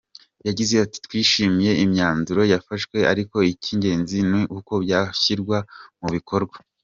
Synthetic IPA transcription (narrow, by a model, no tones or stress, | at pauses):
jaɟize̞ati̥twiːʃimije̞imɲaːnzuɾo̞jafaʃwe̞a̰ɾiko̞icʰiɲɟe̞ːnzinwiʔuko̞bjaːçiɾɡwamuβikʰo̞ɾɡwa